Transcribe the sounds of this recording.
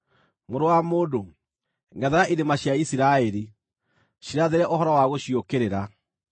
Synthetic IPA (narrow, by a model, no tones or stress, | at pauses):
moɾowamoːdo | ŋɡɛðaɾaʔiɾemaɕjaisiɾaɛɾi | ɕiɾaðeɾɛʔoɦɔɾɔwaɣoɕiokeɾeɾa